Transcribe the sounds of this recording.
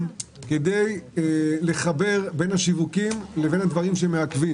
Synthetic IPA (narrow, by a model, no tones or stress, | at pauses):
ked̪e̞j | le̞χabe̞ʁbe̞nhaʃivukimle̞ve̞nhad̪vaʁimʃemeakvi